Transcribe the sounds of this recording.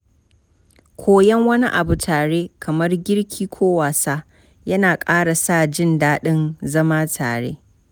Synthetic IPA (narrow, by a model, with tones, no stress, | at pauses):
kʷʰoː˦jɐ˦ŋwɐ˦ni˦ʔa̰˨bu˨tʰaː˨ɽeː˦kʰɐ˨mɐ˦rɡʲɪ˦rkʲʰiː˦kʷʰoː˦waː˨saː˦ | jɐ˦naː˨kʼaː˦ɽa˨saː˦˨d͡ʒɪ˦ndaː˦ɗɪ˦nzɐ˦maː˦tʰa̰ː˨ɽḛː˦